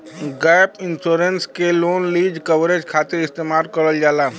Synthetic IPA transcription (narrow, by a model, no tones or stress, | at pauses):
ɡajpɪnsoɾenskeloːnliːd͡ʒkəʋɾed͡ʒkʰaːt̪ɪɾɪst̪eːmaːlkəɾəld͡ʒaːla